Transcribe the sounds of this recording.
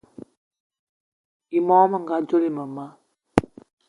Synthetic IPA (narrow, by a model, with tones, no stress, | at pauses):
i˨mɔ˦mə˨ŋɡa˦˨d͡ʒo˦li˨mə˨ma˦